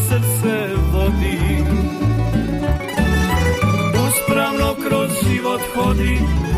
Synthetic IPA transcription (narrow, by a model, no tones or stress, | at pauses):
səɾt̪sɛ | ʋɔd̪i | uːspɾawnɔkɾɔzʒiʋɔt̪xɔd̪i